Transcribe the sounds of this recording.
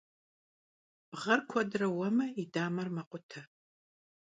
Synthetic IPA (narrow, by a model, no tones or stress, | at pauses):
b̥ʁɐrkʷʰɔdrɐwɐmɐidaːmɐrmɐqʷʼʊtʰɐ